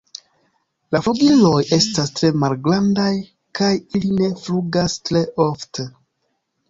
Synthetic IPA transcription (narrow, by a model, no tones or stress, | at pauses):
lafuɡilo̞je̞stastɾe̞malɡɾandaj | kajiline̞fluɡastɾe̞ʔo̞fte